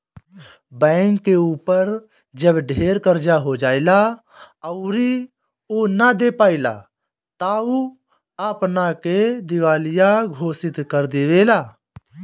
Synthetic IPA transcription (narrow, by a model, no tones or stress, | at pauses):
bɛ̃ːŋkːeuːpəɾ | d͡ʒəbɖʱeːɾkəɾd͡ʒaɦod͡ʒaːila | əʊɾi | onad̪eːpaːila̰ː | t̪auː | aːpnaked̪ɪʋaːlɪjaɡʱoːsɪt̪kəɾd̪eːʋeːlaː